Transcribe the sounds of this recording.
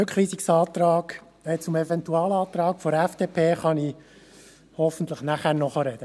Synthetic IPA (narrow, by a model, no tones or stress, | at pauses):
økχɾiːsiksɑːt̪rɑːɡ | ɛt͡sʊmɛvɛnt̪uɑːlɑːt̪ɾɑːkfɔɾɛfd̪̥eːpʰeːχɑni | hɔfən̩t̪ləχnæχæːɾnɔχəɾɛd̥̪ə